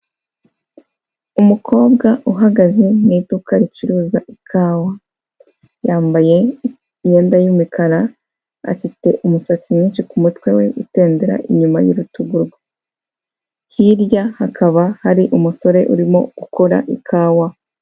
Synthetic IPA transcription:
umukʰo̞ːbɡaʔuɦaɡazeniːtukaɾiciɾuːzaʔikʰaːwa | jaːmbaje̞ | je̞ːndajumikʰaɾa | a̰fite̞ʔumusat͡simɲiːnʃikumutwe̞we̞ute̞ːndeɾa̰ʔiɲuma̰jṵɾutuɡuɾɡwe | hiɾjahakaβahaɾiʔumuso̞ɾe̞ʔuɾimo̞̰ɡ̥ukʰo̞ɾa̰ʔikʰaːwa

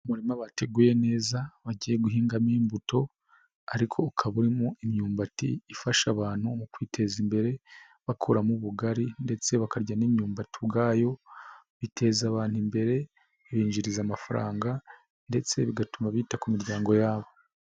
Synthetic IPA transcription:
umuɾimaβate̞ɡuːje̞ne̞ːzaβaɟiːjeɡuɦiːŋɡamiːmbuto̞ | aɾikʰo̞ukʰaβuɾimoimɲuːmbatḭːfaʃaβaːn̥humukwiːtʰe̞zimbe̞ɾe̞ | βakʰuɾamuβuɡaɾinde̞t͡se̞βakaɾɟanimɲuːmbatiβɡaːjo̞ | βitʰe̞zaβaːn̥himbe̞ɾe̞ | βiːɲd͡ʒiɾizamafaɾa̰ːŋɡa | nde̞t͡se̞βiɡatumaβitakumiɾɟaːŋɡo̞jaːβo̞

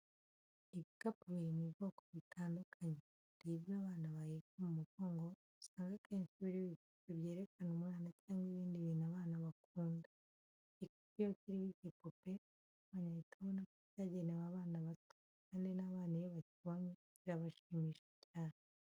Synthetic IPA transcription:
iβikapuβiiniβokoβitʰaːndukʰaɲe | ɾiβjaβaːnaβajekomumuɡo̞ːŋɡo̞ | usaːŋɡakʰe̞ːnʃiβiɾiβipopeβje̞ːɾe̞kanumŋaːnacaːŋɡwiβiːndiβiːnaβaːnaβakuːnda | ikḁpijociɾiβiβipope | uβaɲaβitʰaβonakocaɟenewaβaːnaβatu | kaːndinaβaːnijoβaciβame | βiɾaβaʃiːmiːʃecaːne

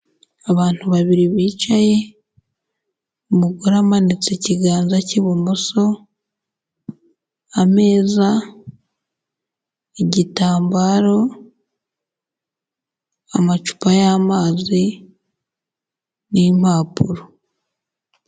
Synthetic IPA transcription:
aβaːn̥tuβaβiɾiβiːt͡ʃaje̞ | umuɡuɾamanit͡seciɡaːnzaciβumuso̞ | ame̞ːza | eɟitaːmbaːɾo̞ | amat͡ʃu̥pajaːmaːzi | nim̥aːpuɾo

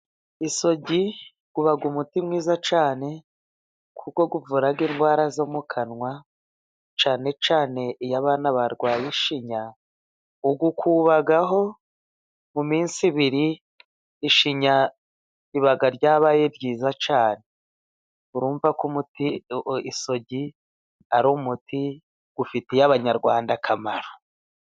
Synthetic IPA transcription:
iso̞ɟi | ɡ̥uβaɡumutimŋiːzat͡ʃaːne̞ | kʰuko̞ɡuvuɾaɡinɡwaːɾazomukʰanŋwa | t͡ʃaːne̞t͡ʃaːne̞ijaβaːnaβaɾɡwaːjiʃiɲa | uɡukʰuβaɡaɦo̞ | mumiːnsiβiɾiː | ʃiɲa | iβaɡaɾɟaːβaːjebɟiːzat͡ʃaːne̞ | uɾuːɱvakumutiiso̞ɟi | aɾumutʰi | ɡ̥ufitejaβaɲaɾɡwaːndakʰamaɾo̥

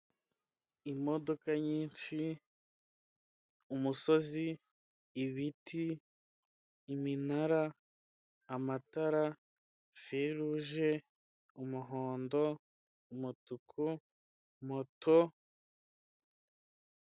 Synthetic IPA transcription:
imo̞do̞kaɲiːnʃi | umuso̞ziː | βitʰi | minaɾaː | mataɾa | feɾuʒe̞ | umuɦoːndo̞ | umutukʰu | motʰo

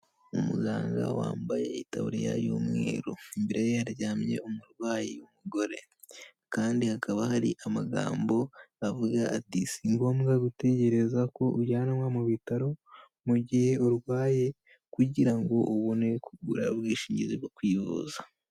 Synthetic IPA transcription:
umṵɡaːŋɡa̰wa̰ːmbajḛita̰βṵɾḛja̰jo̰ːmŋḛːɾoimbeɾejejaɾɟaːmɲe̞̰umuɾwaːjiumuɡo̞ɾe̞ | kaːndihakʰaβahaɾḭʔamaɡa̰ːmbo̞avuɡaːtisiŋɡo̞ːmɡaɡute̞ɟe̞ɾe̞zako̞ʔuɟaːnamwamuβitaɾo̞ | muɟihe̞uɾwaːje̞ | kuɟiɾaŋɡo̞ʔuβone̞kuɡuɾaβɡiːʃiːɲɟiziβjokwiːβṵza

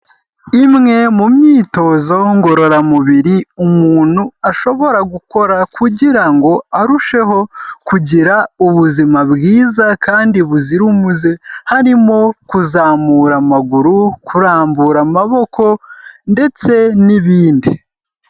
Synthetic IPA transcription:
imŋe̞mumɲiːto̞zo̞ŋɡo̞ɾo̞ɾamuβiɾiumuːn̥huaʃo̞βo̞ɾaɡuko̞ɾakʰuɟiɾaŋɡo̞aɾuʃe̞ɦo̞kuɟiɾauβuzimabɡiːzakaːndiβuziɾumuzehaɾimo̞kuzaːmuɾamaɡuɾukʰuɾaːmbuɾamaβo̞kʰo̞nde̞t͡se̞niβiːndi

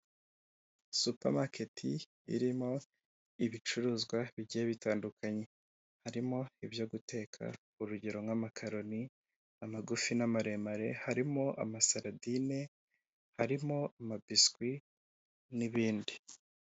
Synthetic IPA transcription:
supa̰ɾmake̞tʰi | ḭɾimo̞ | iβit͡ʃuɾuːzɡwaβiɟijeβitaːndukʰaɲe̞ | haɾimo̞iβjo̞ɡute̞ːkʰa̰ | uɾuɟeɾo̞mŋamakʰaɾo̞ni | amaɡufinamaɾe̞maɾe̞haɾimo̞ʔa̰masaɾadine | haɾimo̞amabiskwi | niβiːndi

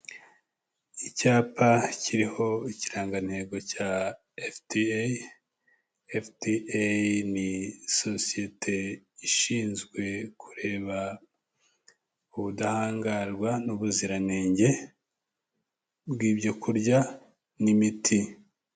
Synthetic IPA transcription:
icaːpʰaciɾiho̞iciɾaːŋɡan̥he̞ɡo̞ca | efdi | efdianiso̞sije̞tʰe̞ | iʃiːnzɡwe̞kʰu̥ɾe̞ːβa | uβudahaːŋɡaɾɡwanuβuziɾaneːɲɟe̞ | bɡiːbɟo̞kʰuɾɟa | nimitʰi

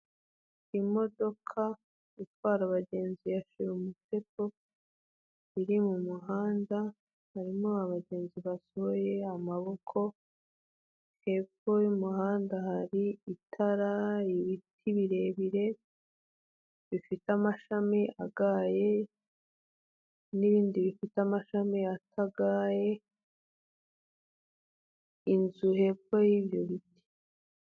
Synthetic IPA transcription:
imo̞do̞kʰa | itwaːɾaβaɟe̞ːnziaʃiɾumute̞po̞ | iɾimumuɦaːnda | haɾimoaβaɟe̞ːnziβasooje̞amaβo̞kʰo̞ | he̞fojumuhaːndahaɾiitʰaɾaiβitʰiβiɾe̞βiɾe̞ | βifitamaʃamiʔa̰ɡaːje̞ | niβiːndiβifitamaʃamiatʰaɡaːje̞ | inzuhe̞bo̞jiβjo̞βiti̥

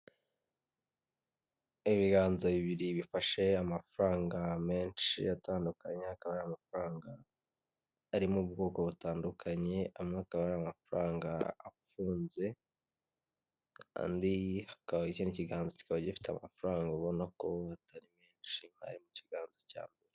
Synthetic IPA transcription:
iβiɡaːnzaβiβiɾiβifaʃe̞amafuɾaːŋɡame̞ːnʃḭatʰaːndukaɲe̞hakaβaɾamafɾaːŋɡa | ɾimoːb̚ɡo̞ːko̞βutaːndukʰaɲe̞amŋeakaβaɾamafuɾaːŋɡa̰ːfuːnze̞ | a̰ndihḁkaβaiceniciɡaːnzoci̥kaβaɟifi̥tea̰mafuɾaːŋɡaβo̞nako̞atʰaɾimeːnʃiha̰ɾimuciɡaːnzaca̰ːmbe̞ɾe

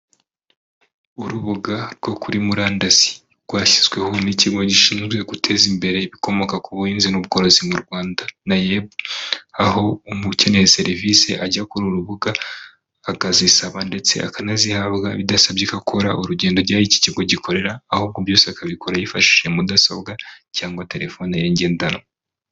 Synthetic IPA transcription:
uɾuβuɡaɾɡ̥o̞kuɾimuɾaːndazi̥ | ɡ̥waːçi̥zɡwe̞honiciɡo̞ɟiʃiːnzɡwe̞ɡutʰe̞ːzimbe̞ɾe̞βiko̞mo̞kakuβuiːnzinuβɡo̞ːɾozimuɾɡwaːndanajebaɦo̞umuce̞ne̞hese̞ɾivise̞ʔaɟakuɾuɾuβuɡaː | ɡazisaβande̞t͡se̞̰a̰kanazihaβɡaβidasabɟikakʰoɾaʔuɾuɟe̞ːndo̞ɾjajici̥ciɡo̞ɟikʰo̞ɾe̞ɾaːhuːb̚ɡobjo̞ːseakaβikʰoɾajifaʃi̥ʃemudaso̰bɡacaːŋɡwate̞ɾe̞fo̞nejeɲɟe̞ːndano̰

